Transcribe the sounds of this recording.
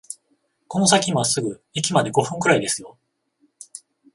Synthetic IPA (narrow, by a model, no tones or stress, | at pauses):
ko̞no̞s̬akʲimβasɨɡɯ̟ikʲimad̪e̞ɡo̞ɸɯ̟̃ŋkɯ̟ɾaid̪e̞sɨjo̞